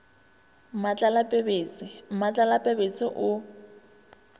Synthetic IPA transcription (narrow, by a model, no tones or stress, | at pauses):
mat͡ɬʼalapʼebeːt͡sʼɪm̩mat͡ɬʼalapʼebet͡sʼɪʔʊ